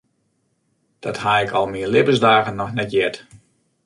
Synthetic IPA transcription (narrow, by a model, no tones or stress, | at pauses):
d̥ɔthaɪkʰɔlˠmiəlɪbəzdaːɣənːɔxnɛtjɛt